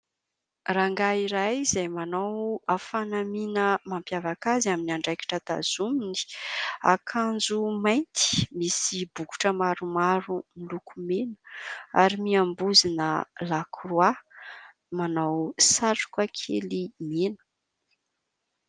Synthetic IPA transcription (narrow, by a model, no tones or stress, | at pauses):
raŋɡaiɾajizajmanawafanaminəmampjavakazaminiaɳɖ͡ʐajki̥ʈ͡ʂət̪a̰z̥umini̥a̰kʰand͡zumajnt̪i̥misibuku̥ʈ͡ʂəmaɾumaɾumilukʰumenə̥aɾimiambuzinə̰lakʰrwa | manawsaʈ͡ʂu̥kakʰḛlimenə̥